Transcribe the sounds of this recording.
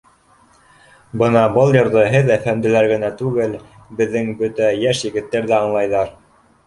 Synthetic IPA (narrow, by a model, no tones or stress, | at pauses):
bɤnɑbɤlˠjŏɾðɤɦɘðæfæmd̪ɘ̆læɾɡɘ̆næt̪ʉɡɘl | bɘ̆ðːɘŋbɵt̪æjæʃjɘ̆ɡɘ̆t̪ːæɾðæɑɴlˠɑjðɑɾ